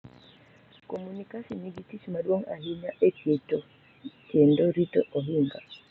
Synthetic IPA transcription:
komunikasiniɡitit͡ʃmadwoŋa̰ɦiɲaʔekjeto | kendoɾito̰ʔoɦiŋɡa

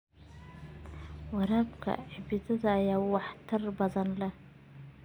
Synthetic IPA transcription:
waɾabkʰa̰ʕbid͡zɨzajawaħtʰɨrbazanla

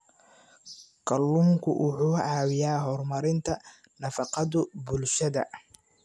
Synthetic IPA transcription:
kʰɐlːuːŋkʰʊʔʊħuːʕɑːwɪjaːɦɔrmɐɾɪnt̪ʰɐ | nɐfɑqɑðʊbʊlʃɐðɐ̰

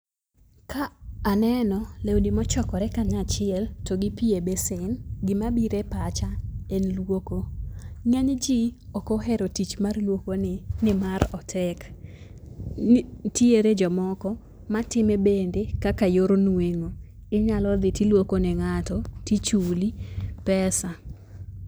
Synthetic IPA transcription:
kaːnɛnɔlewdimɔt͡ʃɔkɔɾɛkaɲat͡ʃɪɛltoɡɪpiebesɪnɡɪmabiɾepat͡ʃaenlwokoŋaɲd͡ʒiɔkoɦɛɾotit͡ʃmarlwokonɪnɪmaɾɔtʰɛk | tieɾed͡ʒɔmɔkɔ | matɪmɛbendekakajoɾonweŋo | ɪɲalɔd̪ɪtilwokonɛŋatɔtit͡ʃulipɛsa

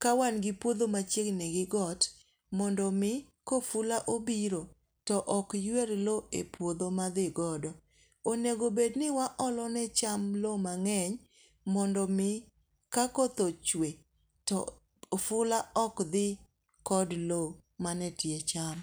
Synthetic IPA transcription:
kawanɡɪpwod̪omat͡ʃjeknɛɡɪɡɔt | mɔndɔmɪ | kofʊlaʔobiɾo | tɔʔɔkjweɾloepwod̪omad̪ɪɡɔdɔ | oneɡobednɪwaʔɔlɔnɛt͡ʃamlomaŋɛɲ | mɔndɔmɪ | kakot̪ot͡ʃwe | tɔ̰ | fʊlaɔkd̪ɪ | kɔdlo | manɛtjet͡ʃam

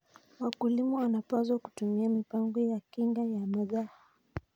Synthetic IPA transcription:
wakulimɔanapazwaku̥tumiamipaŋɡɔjakiŋɡajamaðaha

